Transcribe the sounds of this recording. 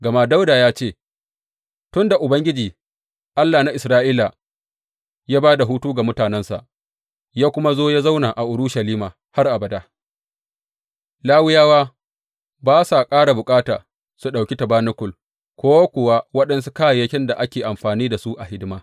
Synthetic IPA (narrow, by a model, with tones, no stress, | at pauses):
ɡɐ˨ma˦da˦wdaː˨jaː˦t͡ʃeː˦˨ | tʊ˦nda˨ʔʊ˨bɐ˦ŋɡʲɪ˦d͡ʒiː˨ | ʔa˦lːa˨na˦ʔɪ˨sɾaː˦ʔiː˦la˨ | jaː˦baː˦da˨ɦuː˦tuː˦ɡa˨mʊ˦taː˨nɛ˦nsa̰˨ʔ | jaː˦kʷʊ˦ma˦zoː˦ja˦za˦wnaː˨ʔa˨ʔʊ˨ɽʊ˦ʃa˨liː˦maː˨ | ha˦rʔa˨bɐ˨da˦ | laː˦wɪ˦jaː˦waː˦ | baː˦sa˨kʼaː˦ɽa˨bʊ˨kʼaː˦ta̰ː˨ | su˨ɗa˨wkʲi˦tɐ˨baː˦nʊ˦kʷʊ˨l | kʷoː˦wa˦kʷʊ˨wa˦wɐ˦ɗɐ˦nsu˦kaː˦ja˨jɐ˦kʲɪ˦nda˨ʔa˦kʲeː˨ʔa˨mɸaː˨niː˦da˨su˦ʔa˨ɦɪ˦dɪ˦maː˦